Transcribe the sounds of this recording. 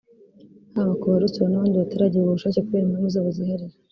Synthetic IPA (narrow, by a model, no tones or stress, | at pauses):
aβakoβaɾut͡sβonaβaːndiβateɾaɟiɾeβuβuʃaːcekuβeɾimunizaβuzihaɾi